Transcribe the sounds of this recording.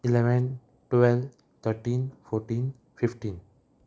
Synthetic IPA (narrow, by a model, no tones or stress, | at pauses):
ɪleʋɛ̃n | ʈʋɛl | t̪ʰəɾʈĩːnfoːɾʈĩːn | fɪfʈĩːn